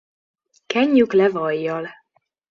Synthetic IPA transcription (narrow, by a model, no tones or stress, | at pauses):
kɛɲːyklɛvɒjːɒl